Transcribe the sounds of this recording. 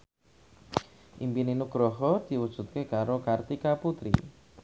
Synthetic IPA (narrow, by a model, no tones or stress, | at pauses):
ʔimpininuɡ̥ɾɔɦɔd̪̥i̤wud̥ʒ̥ṳt̪̚kekaɾokart̪ikaput̪ɾḭ